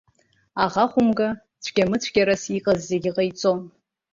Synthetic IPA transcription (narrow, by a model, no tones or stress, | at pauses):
aʁaχʷʊmɡa | t͡sʷʰɡ̥ʲamɨt͡sʷʰɡʲaɾasiqʼazːeɡʲɪqʼajt͡sʼon